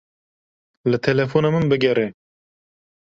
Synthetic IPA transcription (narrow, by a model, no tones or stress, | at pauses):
lɨt̪ʰɛlɛfoːnamɨnbɨɡɛɾe